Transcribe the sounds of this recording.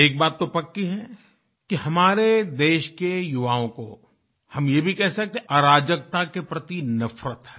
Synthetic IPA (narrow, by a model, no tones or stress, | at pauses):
eːk̚baːt̪ːopɐkːiɦɛ | kiɦɐmaːɾed̪eːʃkejʊʋaːõko̰ | hɐmjebʱikɛɦsɐk̚t̪ẽʔaɾaːd͡ʒək̚t̪akepɾɐt̪inɐfɾət̪ɦɛː